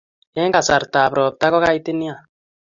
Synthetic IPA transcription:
ɛ˦ŋka˨sa˨ɾtaː˨pɾɔ˨p̚ta˦kɔ˦ka˦i˦te˦ni˦a˨

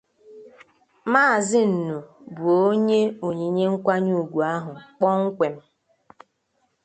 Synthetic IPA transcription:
maː˦˨zɪ˦n̩˨nu˨bʊ˨o˦ɲe˦o˨ɲe˨˦ɲe˦ŋ̩˦kʷa˦ɲu˦˨ɡʷu˨a˦ɦʊ˨k͡pɔ˦ŋ̩˦kʷe˨m̩˦

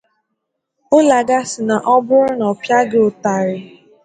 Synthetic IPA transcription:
o˦la˨ɡa˦sɪ˨na˨ʔɔ˦bʊ˦ɾʊ˦nɔ˨pja˦ɡɪ˦o˨ta˨ɾɪ˨

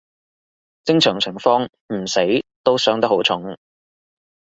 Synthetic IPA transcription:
t͡sɪ˥ŋt͡ʃʰœː˨˩ŋt͡sʰɪ˨˩ŋfɔː˥ŋ | m̩˨˩se˨˥jt̪o˥wsœː˨˥ŋt̪ɐ˥ho˨˥wt͡sʰʊ˨˥ŋ

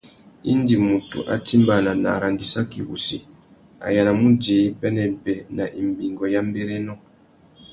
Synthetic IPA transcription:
ḭ˦ndi˨mu˨tṵ˨ʔa̰˨ti˦mba˨na˨na̰˨ɾa˨ndi˦sa˦kḭ˨wṵ˨si˨ | a̰˨ja˨na˨mu˦d͡ʒe˨˦i˦bɛ˦nɛ˨bɛ˨na˨ʔi˨mbi˨ŋɡɔ˨ja˦m˦bɛ˦ɾɛ˦nɔ̃˦

